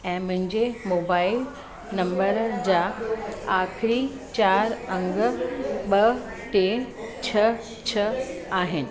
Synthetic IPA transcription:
ɛ̃ːmʊ̃ɦɪ̃ɲd͡ʑemoːbaːɪl | nɐ̃mbəɾd͡ʑaːaːxɪɾi | t͡ɕaːɾɐ̃ŋɡə̆ɓɐ | ʈet͡ɕʰɐ | t͡ɕʰɐaːɦɪnɪ̆

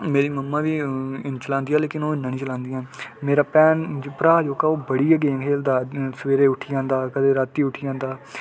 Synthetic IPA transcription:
meːɾiːməmːaːʋiːɪnt͡ʃəlãːnd̪iːaːleːkɪnoːɪnːaːnĩːt͡ʃəlãːnd̪ijãːmeːɾaːpɛːnpɾaːd͡ʒoːkaːoːbəɽiːəɡẽːkʰeːld̪aːsəʋeːɾeːʊʈʰːiːãːnd̪aːkəd̪eːɾaːt̪ːiːʊʈʰiːãːnd̪aː

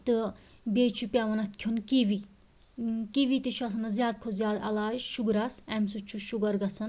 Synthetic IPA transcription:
t̪ɨ | beːt͡ʃʰupʲaʋɐnɐt̪̚ʰkʲʰunkiʋi | kiʋit̪iʃʰɐsɐnɐzjaːd̪̚kʰozjaːd̪ɐlaːʃuɡɾɐsɛmsut͡ʃʰuʃuɡɐɾɡɐsɐn

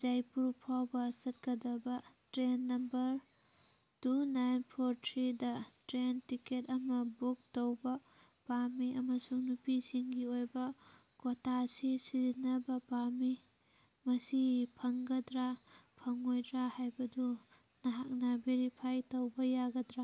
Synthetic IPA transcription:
d͡ʒajpuɾpʰawbɐsɐt̚kɐdɐbɐtɾenːɐmbɐɾ | tunajnpʰoɾtʰɾidɐtɾentiketɐmɐbuk̚towbɐ | pamiɐmɐsuŋnupisiŋɡiojbɐ | kotʰasisizinɐbɐpami | mɐsipʰɐŋɡɐdɾapʰɐŋojdɾahajbɐdu | nɐɦak̚nabiɾipʰajtɐwbɐjaɡɐdɾa

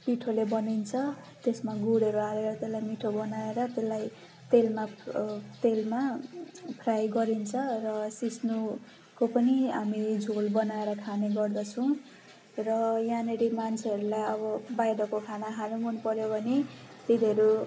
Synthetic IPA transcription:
piʈʰolebʌnint͡sʰʌt̪esmaɡuɽʌɾualeɾʌt̪elːajmiʈʰobʌnaeɾʌt̪elːaj | t̪elmat̪elma | pʰrajɡʌɾint͡sʰʌrʌsisnu | kopʌniɦamid͡zʱolbʌnaeɾʌkʰaneɡʌrd̪ʌt͡sʰʌ̃w̃ | rʌjaneɾimant͡sʰeʌɾulajʌbʌbajɾʌkokʰanaɦʰanumʌnpʌɾjobʱʌne | t̪id̪ʱʌɾu

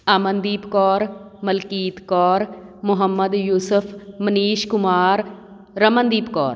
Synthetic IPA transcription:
aːmənd̪iːpkɔːɾməlkiːt̪kɔːɾmʊɦəmːəd̪juːsʊpʰməniːʃkʊmaːɾ | ɾəmənd̪iːpkɔːɾ

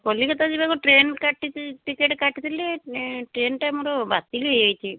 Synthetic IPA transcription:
kɔlikɔt̪ad͡ʒibakɔʈɾenkaʈiiʈikeʈkaʈit̪ʰileʈɾenʈamɔɾɔbat̪iɡejajt͡ʃʰi

